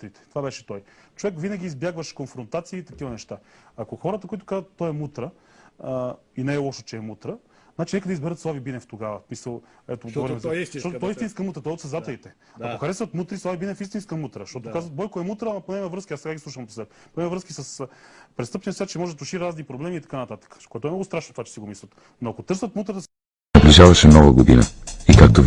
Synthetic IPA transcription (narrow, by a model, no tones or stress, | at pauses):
t̪ɾit̪ɛ̥t̪ovabɛʃɛ̥t̪ɔjt͡ʃovɛkvinɐɡʲiːzbjaɡvəʃkonfɾont̪at̪siːt̪ɐk̟ivənɛʃt̪aakoxɔɾət̪əkoit̪ʊ̥kazət̪ːɔɛmut̪ɾə | inɛːlˠɔʃo̥t͡ʃɛːmut̪ɾə | znat͡ʃinɛkəd̪ɐizbɛɾət̪slˠavibinɛft̪oɡavəsmisəlˠɛt̪oɡvɔɾimzʃt̪ɔt̪ɔɛist̪inskɐmut̪ɾət̪ɔɛot̪sɐzat̪ɛlit̪ɛ | akoxɐɾɛsvət̪mut̪ɾislˠavibinɛfist̪inskəmut̪ɾəʃt̪ɔt̪okazvət̪̚bɔjkoɛmut̪ɾəːmɐponɛmɛvɾɤskiasɛɡaɡʲislˠuʃvɐmp̪sɛ | ponɛmɛvɾəskisəspɾɛtst̪ɤpniɐsʲjat͡ʃɛmɔʒɛd̪ɐt̪uʃiɾaznipɾoblɛmiːt̪ɐ̥kanɐt̪at̪ə̥kə̥koɛt̪oɛmnɔɡʊst̪ɾaʃnot̪ovat͡ʃɛ̥siɡomisvət̪ | noɐkot̪ɤɾsət̪mut̪ɾət̪ə | nɐbliʒavɐʃɛmnɔvəɡod̪ḭnə̰ikak̚t̪o